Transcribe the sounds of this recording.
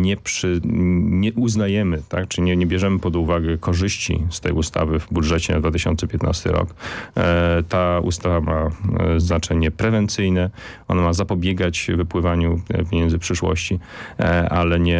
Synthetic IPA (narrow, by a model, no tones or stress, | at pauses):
ɲɛpʂɘɲɛʔuznajɛmɘt̪akt͡ʂɘiɲɛɲɛbʲjɛʐɛmɘpɔd̪uvaɡɛkʰɔʐɘɕt͡ɕḭst̪ɛ̰just̪a̰vɘvbudʐɛt͡ɕɛna̰d̪vat̪ɪ̥ɕɔ̰nsɛpʲjɛt̪na̰st̪ɘ̰ɾɔ̰k | t̪aṵst̪avamaznat͡ʂɛɲɛpɾɛvɛnt̪sɘjnɛɔnamazapɔbʲjɛɡat͡ɕvɘpwɘvaɲupʲjeɲɛnzɘpʂɘʂwɔ̰ɕt͡ɕi | alɛɲɛ